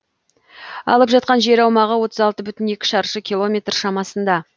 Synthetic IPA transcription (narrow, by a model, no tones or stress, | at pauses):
ɑ̰lˠəpʒɑt̪̚qɑnʒe̞ɾɑwmɑʁəwo̞t̪əzɑlˠt̪əbʏt̪ɪne̞kʲɪ̥ʃɑɾʃəkʲilˠo̞mʲe̞t̪rʃɑmɑsənd̪ɑ